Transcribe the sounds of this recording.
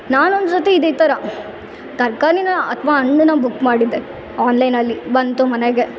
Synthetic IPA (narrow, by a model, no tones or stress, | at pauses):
naːnɔndɾɐt̪ːɯɪðɛɪt̪ːɐɾãː | t̪ɐɾkaːninãɐt̪ʋãːɐɳːɯnãːbʊkːmaːɽind̪ɯ | aːnlɐɪnɐlːiʋɐnt̪ũmɐnɐɡɐ